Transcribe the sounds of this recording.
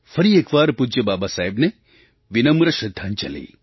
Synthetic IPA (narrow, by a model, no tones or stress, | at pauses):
fɐɾieːkʋaːɾpud͡ʒjebaːbasaːɦebne | ʋinɐmɾɐʃɾɐd̪ʱːaːnt͡ʃɐ̰lḭː